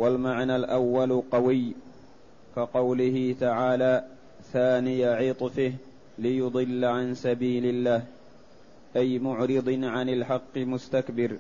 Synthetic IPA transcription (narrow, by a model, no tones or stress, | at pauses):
walmaʕnaːlʔawːalqɑwɪj | kaqɑwlɪhɪt̪aʕaːlaː | θaːnɪjaʕiːt̪ˤfɪh | lɪjʊd̪ˤɨlːaʕansabiːlɪlːaːh | ʔajmʊʕɾɨd̪ˤʕanɪlħɑqːɨmʊst̪akbɪɾ